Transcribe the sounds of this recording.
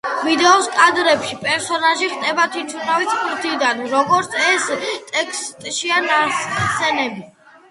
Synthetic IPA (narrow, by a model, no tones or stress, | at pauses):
vid̪ɛɔskʼad̪ɾɛpʃipʼɛɾsɔnaʒiχt̪ʼɛbat̪ʰit͡ʃ̪ʰunavit̪ʰχɾt̪ʰid̪anɾɔɡɔɾt̪sʰɛst̪ʼɛkʰst̪ʼʃianaɾssɛnɛbi